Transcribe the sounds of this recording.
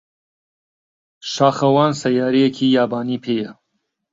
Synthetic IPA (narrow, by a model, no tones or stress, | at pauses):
ʃaːxɐwɑːnsɐjaːɾijekʰiːjaːbaːniːpʰeːjɐ